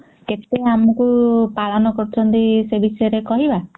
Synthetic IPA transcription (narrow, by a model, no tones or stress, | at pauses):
ket̪eamɔkupalɔnɔkɔɾut͡ʃʰɔnt̪isebisɔjɔɾekɔɦiba